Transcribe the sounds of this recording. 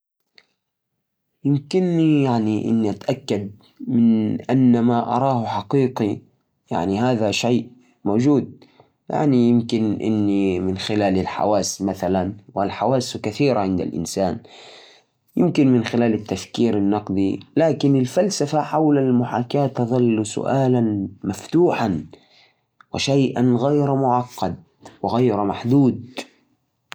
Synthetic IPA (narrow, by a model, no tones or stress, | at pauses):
jɪmkɪnːijaʕniʔɪ̰nːiʔat̪ʔakːad̪̚ | mɪnʔanːamaʔɑ̰ɾˤɑːhħɑqiːqi | ja̰ʕniɦaːðaʃajʔ | moːd͡ʒuːd̪̚ | ja̰ʕnijɪmkɪnʔɪ̰nːimɪnxɪlaːlɪlħa̰waːsmaθalanwɪlħawaːskaθiːɾaʕɪnd̪a̰lʔɪ̰nsaːn | jɪmkɪnmɪnxɪlaːlɪt̪ːafkiːɾɪnːɑqd̪ilaːkɪnɪlfalsafaħawlalmʊħaːkaːt̪ːɑðˤɑlːsʊ̰ʔaːlanmaft̪uːħan | wɪʃajʔanɣajɾmʊʕɑqːɑd̪̚ | wɪɣajɾmaħd̪uːd̪̚